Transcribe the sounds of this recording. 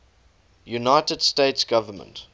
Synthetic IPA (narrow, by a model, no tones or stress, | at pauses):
junaɪtəd̥steɪtsɡ̥avəmə̰̃nt